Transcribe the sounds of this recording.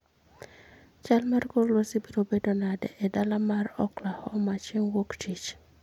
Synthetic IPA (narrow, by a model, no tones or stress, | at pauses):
t͡ʃalmɛrkollwosibiɾobedonadɛ̰ʔɛdalamarɔklahɔmat͡ʃɪŋwoktʰit͡ʃ